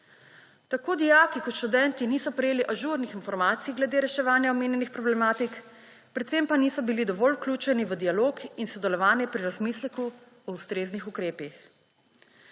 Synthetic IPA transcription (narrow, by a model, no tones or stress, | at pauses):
t̪akoːd̪ijaːkikɔt̪ʃt̪ud̪ɛnt̪iniːsɔpɾɛjeːliʔaʒuɾnixinfɔɾmaːt̪sijɡlɛd̪eːɾɛʃɛʋaːnjaɔmeːnjɛnixpɾɔblɛmaːt̪ik | pɾɛt̪sempaniːsɔbilid̪ɔʋɔluklʲuːt͡ʃɛniʋəd̪ialoːkinsɔd̪ɛlɔʋaːnjɛpɾiɾazmiːslɛku | ɔust̪ɾeːznixukɾeːpix